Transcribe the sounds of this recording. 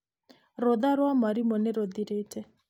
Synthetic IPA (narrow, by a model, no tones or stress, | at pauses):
ɾɔd̪aɾwamaɾimɔnɪɾɔd̪iɾetɛ